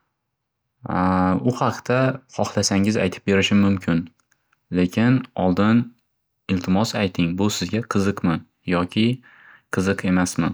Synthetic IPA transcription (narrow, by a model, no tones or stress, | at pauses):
ʊhɑqt̪ʰaχɒχlˠasaŋɪza̰jt̪ʰɪ̥p̚be̞ɾɪʃɪmʊmkʲʰɪn | lekʲʰɪnɒlˠd̪ɪn | ɪlt̪ʰɪmɒsajt̪ʰɪŋbʊsɪzɡʲaqʰɨzɨqmɪ | jɒkʲʰɪ | qʰɨzɨqʰe̞masmɪ